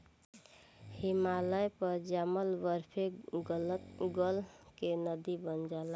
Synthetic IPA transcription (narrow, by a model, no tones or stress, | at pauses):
himaləjpəɾd͡ʒaməlbəɾpʰeɡələt̪ɡəlkenəd̪ibənd͡ʒala